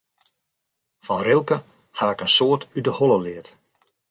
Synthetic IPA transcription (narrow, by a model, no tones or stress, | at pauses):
fɔnrɪlˠkə | haɪkənsoətydəhɔlˠəlɪət